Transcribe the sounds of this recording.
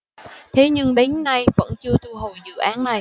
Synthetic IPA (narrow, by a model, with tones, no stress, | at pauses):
t̪ʰe˨˦ɲɨ˧ŋɗe˨˦nːa˧jvə̰˧˥nt͡ɕɨ˧ət̪ʰu˧ɦo˨˩jzɨ̰˧˨ʔaː˨˦nna˨˩j